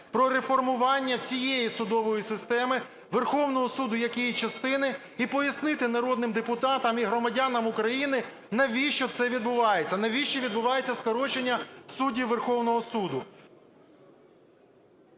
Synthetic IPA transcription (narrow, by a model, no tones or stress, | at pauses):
pɾɔɾefɔrmʊʋɑnʲːɐwsʲijejisʊd̪ɔʋɔjisɪst̪ɛmɪ | ʋerxɔwnɔɦɔsud̪ʊjɐkʲijit͡ʃɐst̪ɪnɪ | ipɔjɐsnɪt̪ɪnɐɾɔd̪̚nɪmd̪epʊt̪ɑt̪ɐmiɦɾɔmɐdʲɑnɐmʊkɾɐjinɪ | nɐʋʲiʃt͡ʃɔt̪sɛʋʲid̪̚bʊʋɑjet͡sʲːɐnɐʋʲiʃt͡ʃɔʋʲid̪̚bʊʋɑjet͡sʲːɐskɔɾɔt͡ʃenʲːɐsudʲiʋerxɔwnɔɦɔsud̪ʊ